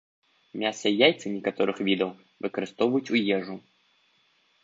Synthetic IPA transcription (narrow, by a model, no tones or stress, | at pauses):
mʲasɐjajt̪sɨnʲɛkat̪ɔɾɨxvʲid̪ɐw | vɨkɐɾɨst̪ɔvɐjutʲt͡sʲujɛʐʊ